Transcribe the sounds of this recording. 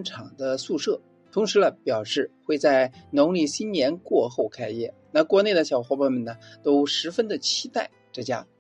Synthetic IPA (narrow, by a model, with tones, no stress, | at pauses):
nʈ͡ʂʰɑ˨˩ŋd̪ə˦su˥˧ʂɤ˥˩ | t̪ʰʊ˧˥ŋʂɻ̩˧˥lə˧pjɑ˨˩ʊʂɻ̩˥˩xwe˥˧ɪt͡sa˥˩ɪnʊ˧˥ŋli˥˩ɕi˥nnjɛ˧˥nkwɔ˥˧xo˥˩ʊkʰa˥ɪjɛ̰˥˩na˥˩kwɔ˧˥ne˥˩ɪd̪ə˩ɕjɑ˨˩ʊxwɔ˧˥pa˥˩nmə˨nə˩t̪o˥ʊʂɻ̩˧˥fə˥nd̪ə˨t͡ɕʰi˥t̪a˥˩ɪʈ͡ʂɤ˥˩t͡ɕja̰˥